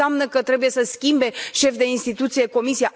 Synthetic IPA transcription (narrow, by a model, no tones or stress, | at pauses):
amnəkət̪ɾe̞buje̞səskʲimbe̞ʃe̞fd̪e̞inst̪it̪ut̪sije̞ko̞misija